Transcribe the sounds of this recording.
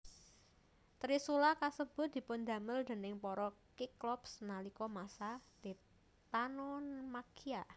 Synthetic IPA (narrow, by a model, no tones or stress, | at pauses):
t̪ɾisulakasəb̥ʊ̤t̪̚d̪i̤pʊnd̪ä̤məld̪e̤nɪŋpɔɾɔkiklɔpsnalikɔmasad̪̥i | t̪anɔnmakia